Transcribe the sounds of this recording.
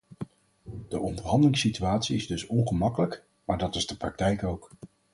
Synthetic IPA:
d̥əʔɔndəɹɦɑndəlɪŋsityaːtsiɪzdɵsɔnχəmɑkələk | maːɹdɑtɪzdəprɑk̚tɛjkowk

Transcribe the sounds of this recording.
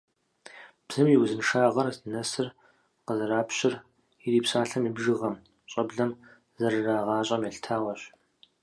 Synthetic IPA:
b̥z̥ɨmjiwzɨnʂaːʁɐrzɨnɐsɨr | qəzɐɾaːpʰɕɪr | iɾiːpsaːɬɐmibʒɨʁɐm | ɕʼɐbɮɐm | zɐrɨraːʁɑːɕʼɐmjɛɬtʰaːʁɐɕ

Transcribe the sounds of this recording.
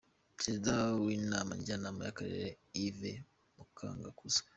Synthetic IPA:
pɾezidawinaːma̰ɲɟanaːmajakaɾḛɾe | ive | mukʰa̰ːŋɡakuzḁ

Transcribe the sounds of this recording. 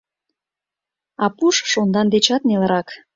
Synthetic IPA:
ɑpuʃʃond̪ɑnd̪et͡ɕɑt̪neləɾɑk

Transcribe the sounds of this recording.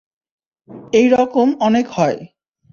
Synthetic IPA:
ejɾɔkomɔnekhɔe

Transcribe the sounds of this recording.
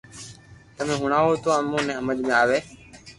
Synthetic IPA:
t̪əmẽːɦʊɳaːɦoːt̪oːamõːnẽːɦəməd͡ʒmẽːaːʋeː

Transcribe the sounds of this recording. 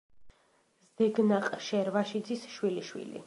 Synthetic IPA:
zd̪ɛɡnaqʼʃɛɾvaʃid̪zisʃwiliʃwḭlḭ

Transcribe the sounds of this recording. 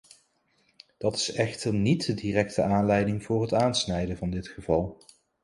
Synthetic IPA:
d̥ɑtɪ̥sɛχtəɹnitədiːrɛk̚təaːnlɛjdɪŋvʊːɹɦətaːnsnɛjdəvɑndɪtχəvɑlˠ

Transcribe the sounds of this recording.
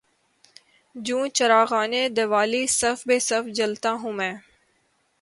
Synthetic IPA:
d͡ʒũːt͡ʃəɾaːɣaːned̪ɐʋaːlisɐfbeːsɐfd͡ʒəlt̪aːɦũːmɛ̃ː

